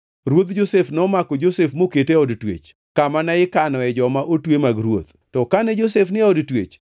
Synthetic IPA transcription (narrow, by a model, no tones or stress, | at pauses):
ɾwot̪d͡ʒosefnɔmakɔd͡ʒosefmoketeɔdtwḛt͡ʃ | kamanaɪkanɔɛd͡ʒɔmaʔotwemaɡɾwo̰t̪ | tɔkanɛd͡ʒosefnɪɔdtwḛt͡ʃ